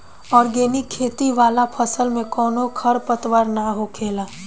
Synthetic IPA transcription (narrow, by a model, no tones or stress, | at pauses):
ɔːɾɡeːnikʰːeːt̪iʋaːlapʰɐsəlmẽkɔːnokʰɐɾpət̪ʋaːɾnaɦokʰeːlaː